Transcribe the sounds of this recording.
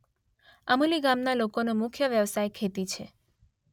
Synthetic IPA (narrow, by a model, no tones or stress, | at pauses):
əmuliɡamnalokonomʊkʰjəʋjəʋsajkʰet̪it͡ʃʰe